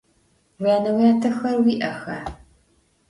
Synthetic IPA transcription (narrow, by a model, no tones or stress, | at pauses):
wjaːnɐwjaːtʰɐxɐrwiːʔɐxɐ